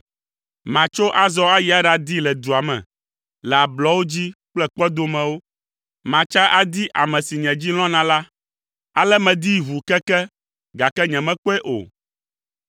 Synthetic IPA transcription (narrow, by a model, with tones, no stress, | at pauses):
mã˨t͡ʃo˦ʔa˦zɔ˦a˦ji˨˦a˦ɖa˨d̪i˦lɛ˨d̪u˨a˨mɛ̰̃˨ | lɛ˨a˨blɔ˦wo˦d͡ʑi˦k͡plɛ˦k͡pɛ˦d̪o˦mɛ̃˨wo˦ | mã˨t͡ʃa˦ʔa˦d̪i˦ʔa˨mɛ̃˨si˨ɲɛ̃˨d͡ʑi˦l̃ɔ̃˦nã˨la˦ | a˨lɛ˦mɛ̃˨d̪i˦βu˨kɛ˦kɛ˦ | ɡa˨kɛ˦ɲɛ̃˨mɛ̃˦k͡pɔ˦ɛ˦ʔo̰˨